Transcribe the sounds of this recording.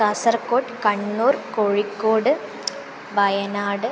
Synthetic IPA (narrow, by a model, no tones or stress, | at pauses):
kɐsɐrkːoːʈkɐɳːuːrkoɻikːoːɽɨ | bɐjɐnaːɽɨ